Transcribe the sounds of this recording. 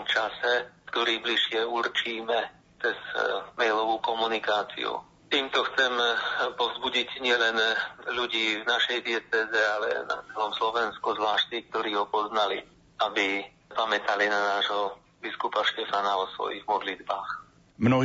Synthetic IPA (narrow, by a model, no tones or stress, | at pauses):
mt͡ʃasɛkt̪ɔɾiːbliʃɪɛuɾt͡ʃiːmɛ | t͡sɛz̥mɛjlɔʋuːkɔmunikaːt͡sḭṵ | t̪iːmt̪ɔxt͡sɛmpɔvzbuɟicɲɪɛlɛnluɟiːvnaʃɛjd̪ɪɛt͡sɛːzɛalɛ̰na̰t͡sɛlɔmslɔʋɛnskuzʋlaːʃt͡sik̚t̪ɔɾiːɦɔpɔznali | abi | pamɛt̪alinanaːʒɦɔ | biskupaʃcɛfanaɔsʋɔ̰jiɣmɔd̪lid̪baːx | mnɔɦ